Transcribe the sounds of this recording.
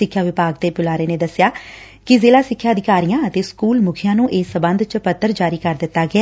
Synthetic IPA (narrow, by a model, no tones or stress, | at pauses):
ɪkʰːjaːʋɪpaːɡ̚t̪eːpʊlaːɾeːneːd̪əsːjaː | kɪzeːlaːsɪkʰːjaːəd̪ɪkaːɾijãːət̪eːskuːlmʊkʰɪjãːnũːʔeːsəbənd̪t͡ʃpət̪ːəɾd͡ʒaːɾiːkəɾd̪ɪt̪ːaːɡɪɛː